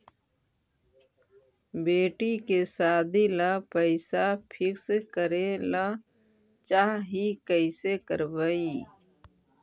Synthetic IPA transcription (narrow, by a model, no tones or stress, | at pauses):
beːʈikesaːd̪ʱilapəɪsapʰɪkskəɾela | t͡ʃaːɦɦikəɪsekəɾbəi